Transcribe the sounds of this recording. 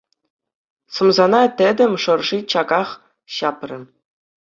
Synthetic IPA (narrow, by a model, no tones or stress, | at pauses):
sɤ̆mzɑnɑt̪ʲɘ̆d̪ʲɘ̆mʲʂɤ̆rʐit͡ɕɑɡɑχ | ɕɑprʲɘ̆